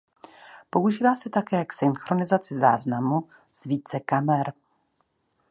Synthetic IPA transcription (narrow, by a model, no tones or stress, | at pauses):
po̞uʒiːvaːsɛt̪akɛːksɪnxɾo̞nɪzat͡sɪza̰ːznamu | z̥viːt͡sɛkamɛɾ